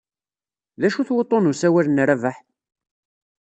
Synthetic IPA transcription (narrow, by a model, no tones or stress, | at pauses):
ðæʃuθwot̪ˤːonusæwælənːɾævaħ